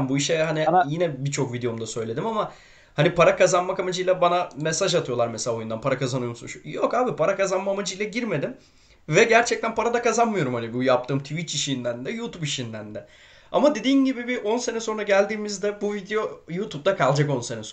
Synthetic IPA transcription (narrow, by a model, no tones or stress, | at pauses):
mbuiʃɛɦanijinɛbit͡ʃʰo̞kvid̪ejo̞md̪asø̞jlʲe̞d̪imama | hanipaɾakazanmakamad͡ʒɯjlʲˠabanamesaʒat̪ʰɯjo̞lˠaɾmɛselʲaːo̞jund̪anpʰaɾakazanɯjo̞musunʃujokaːbipʰaɾakazanmaːmad͡ʒɯjlˠaɟiɾme̞d̪im | vɛɟæɾt͡ʃʰɛc̚t̪ænpaɾad̪akazanmɯjo̞ɾumhanibujap̚t̪ʰɯːmt̪ʰuvit͡ʃiʃind̪ænd̪ɛjuːt̪upiʃind̪ænd̪ɛ | a̰mad̪e̞d̪iːnɟibibiʔo̞nse̞nɛso̞nɾaɟælʲd̪iːmizd̪ɛbuvid̪ejo̞juːt̪ʰup̚d̪akʰalˠd͡ʒako̞nsenɛs